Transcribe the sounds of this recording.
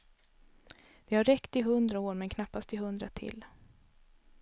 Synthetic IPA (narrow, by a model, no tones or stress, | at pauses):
d̪̥ɛhaɾːɛkt̪ɪɦɵnd̪ɾaoːɾmɛnkʰnapːast̪ɪɦɵnd̪ɾat̪ʰɪ̰l